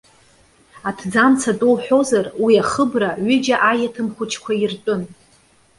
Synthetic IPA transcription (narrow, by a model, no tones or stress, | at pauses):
atʰd͡zamt͡sʰatʼolħʷᶣo̞zarwiaχəbraɥʏd͡ʒaʔajatʰɨmχʷʊt͡ʃʰkʷʰairtʼʊn